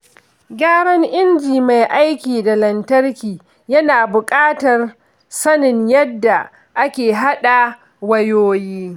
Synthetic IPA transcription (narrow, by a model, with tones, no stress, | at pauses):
ɡʲaː˦ɽɐ˦ŋʔɪ˦nd͡ʒiː˨ma˨jʔa˦jkʲiː˨da˨lɐ˨ntɐ˦rkʲiː˨ | jɐ˦naː˨bʊ˨kʼaː˦tɐ˨r | sɐ˦nɪ˨ɲjɐ˦dːa˨ | ʔa˦kʲeː˨ɦa˦ɗa˨ | wɐ˦joː˦jiː˦